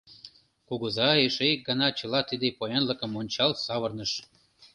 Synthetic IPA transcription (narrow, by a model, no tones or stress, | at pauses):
kuɣəzɑeʃejk̚ɡɑnɑt͡ɕə̆lɑt̪id̪epojenləkə̆monʲt͡ɕɑlsɑβərnəʃ